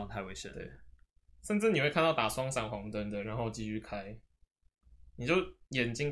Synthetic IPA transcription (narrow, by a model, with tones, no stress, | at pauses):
ŋt̪ʰa˥˧we˥˩ɕɛ̰˨˦t̪ḛ˥˨˩ɪ | ʂə˥˧nʈ͡ʂɻ̩˥˩ni˨˩we˥˧ɪkʰa˥˧nt̪ɑ˥˩ʊt̪a˨˩swɑ˥ŋsa˨˩ŋxwɑ˧˥ŋt̪ə˦nd̪ə˨ɻa˧˦nxo˥˩ʊt͡ɕi˥y˥˧kʰa˥ɪ | ni˨˩t͡ɕjo˥˩ʊjɛ˨˩nt͡ɕi˥ŋ